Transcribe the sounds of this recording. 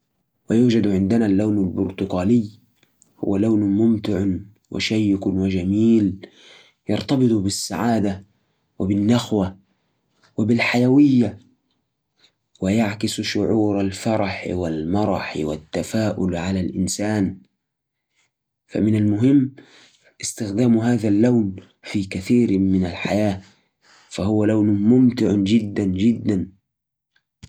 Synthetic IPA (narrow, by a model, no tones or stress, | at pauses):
wajuːd͡ʒad̪ʕɪnd̪ɪnalːawnalbʊɾt̪ʊqaːlɪjː | hʊ̰wːalawnmʊmt̪ɪʕ | wʔa̰ʃajːɪkʊnwɪd͡ʒamiːl | jɑ̰ɾˤt̪ɑbɨt̪ˤbɪsːa̰ʕaːd̪a | wɪbɪnːaxwa | wɪbɪlħajawɪjːa | wɪjaʕkɪsʃʊʕuːɾˤalfɑɾˤɑħwalmɑɾˤɑħwa̰t̪ːafaːʔʊlʕalalʔɪnsaːn | fa̰mɪnalmʊɦɪmː | ʔɪst̪ɪxd̪aːmɦaːðalːawn | fiːkaθiːɾmɪnalħajaː | fahʊwalawnʊmʊmt̪ɪʕʊd͡ʒɪd̪ːand͡ʒɪd̪ːan